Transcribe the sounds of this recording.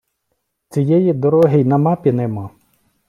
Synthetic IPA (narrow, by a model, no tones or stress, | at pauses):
t͡sʲijɛjid̪ɔɾɔɦɪjnɐmɑpʲɪnɛmɑ